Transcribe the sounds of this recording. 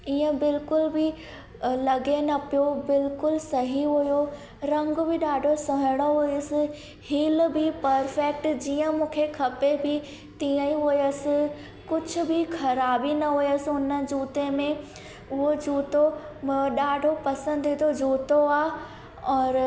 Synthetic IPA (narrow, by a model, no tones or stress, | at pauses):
iːə̃bɪlkʊlbʱɪ | lɐɡenɐpijobɪlkʊlsɐɦiɦʊjo | ɾɐ̃ŋɡbʱɪɗaːɖʱosɐɦɪɽ̃oɦʊiəsɪ̆ | hiːlbʱipɐɾfek̚ʈd͡ʑiːə̃mũːkʰekʰɐpebʱɪ | t̪iːə̃iɦʊjəsɪ̆ | kʊd͡ʑʰʱʊ̆bʱɪkʰɐɾaːbinɐɦʊjəsɪʊnə̆d͡ʑuːt̪emẽ | ʊɦod͡ʑuːt̪o | ɗaːɖʱopɐsə̃nd̪ʱit̪ʰod͡ʑuːt̪oaː | ɔːɾ